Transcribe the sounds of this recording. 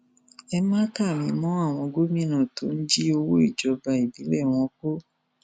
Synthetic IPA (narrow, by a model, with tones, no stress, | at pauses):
ɛ˧mãː˦ka˦˨mĩ˧mɔ̃˦a˦˨w̃ɔ̃˧ɡo˦mĩ˦nã˨to˨˦n̩˦d͡ʒi˦o˧wo˦i˦˨d͡ʒɔ˨˧ba˧˨i˨bi˨˦lɛ˦˨w̃ɔ̃˧k͡po˦